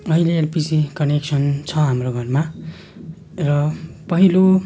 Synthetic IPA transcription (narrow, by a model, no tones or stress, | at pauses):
ʌɦileːlpisikʌneksʌnt͡sʰʌɦamroɡʱʌrma | rʌpʌɦilo